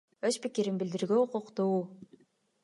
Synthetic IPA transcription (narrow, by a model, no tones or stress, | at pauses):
øspikiɾinbild̪iɾɡøuquqt̪uː